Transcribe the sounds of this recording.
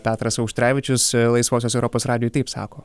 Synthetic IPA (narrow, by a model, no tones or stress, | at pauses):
pʲæːt̪ɾɐsɐʊkʃʲt̪ʲɾʲæːʋʲɪt͡ʃʲʊslˠɐɪsʋoːs̬ʲoːs̬ɛʊɾoːpoːsɾɑːd̪ʲɪjoʊt̪ɐɪpsɑ̰ːkoː